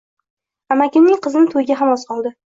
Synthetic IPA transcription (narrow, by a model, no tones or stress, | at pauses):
amakʲɪmnɪŋqʰɨzɪnɪt̪ʰojɡʲaɦamɒsqʰɒlˠd̪ɪ